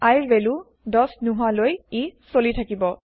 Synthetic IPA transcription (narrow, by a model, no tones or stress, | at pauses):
ajɹbelu | dɔsnuɦalojisolitʰakibɔ